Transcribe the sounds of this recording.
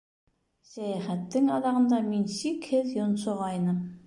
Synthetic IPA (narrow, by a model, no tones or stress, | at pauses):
sæjæχæt̪ːɘŋɑðɑʁɤ̆nd̪ɑminsikhɘðjŏnsŏʁɑjnɤm